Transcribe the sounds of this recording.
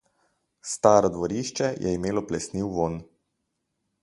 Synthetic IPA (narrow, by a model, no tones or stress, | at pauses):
st̪aːɾɔd̪ʋɔɾiʃt͡ʃɛjʔɛ̰imeːlɔplɛsniwʋon